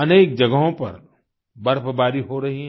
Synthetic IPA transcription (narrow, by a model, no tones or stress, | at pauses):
ɐneːk̚d͡ʒɐɡəɦõpɐ̰ɾ | bɐɾpbaːɾiɦoɾɐɦiɦ